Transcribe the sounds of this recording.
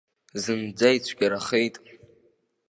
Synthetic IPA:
zɨnd͡zajt͡ɕʷʰɡʲaɾaχejtʼ

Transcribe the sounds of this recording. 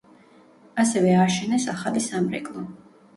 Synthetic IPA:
asɛvɛaʃɛnɛsaχalisamɾɛ̰kʼlˠɔ

